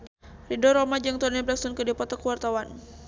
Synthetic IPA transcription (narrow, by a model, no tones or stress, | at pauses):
ridɔɾɔmad͡ʒaŋt̪uanablaksunkədipɔt̪ɔkəwart̪awan